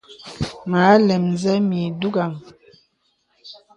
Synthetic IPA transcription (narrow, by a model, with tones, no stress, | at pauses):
ma˨˦lɛ˨mn˨zɛ˦mi˨du˦ɡa˨ŋ